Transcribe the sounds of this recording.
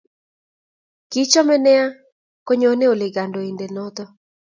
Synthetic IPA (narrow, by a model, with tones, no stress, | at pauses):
ki˨˦t͡ʃɔ˦mɛ˦nɛ˦a˦ | ko˦ɲo˨˦ne˦o˨le˨ɡa˨ndo˨i˨nde˨nɔ˦t̪ɔ˦